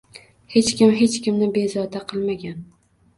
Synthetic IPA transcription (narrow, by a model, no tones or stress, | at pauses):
he̞t͡ʃkʲɪmɦe̞t͡ʃkʲɪmnɪbe̞zɒd̪aqʰɨlˠmaɡʲan